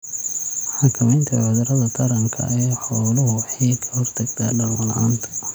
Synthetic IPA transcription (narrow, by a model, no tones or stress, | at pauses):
ħɑkʰɐmɛjnt̪ʰɐ̰ʕʊðɾɐðɐt̪ʰɐɾɐŋkʰɐ̰ʔɛːħɔːlʊɦʊħiːkʰɐhɔrt̪ʰɐɡt̪ʰɐ̰ɖɐlwɐlɐ̰aːnt̪ʰɐ̥